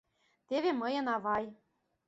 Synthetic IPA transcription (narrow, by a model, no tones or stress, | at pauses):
t̪eβemɤ̆jɤ̆nɑβɑj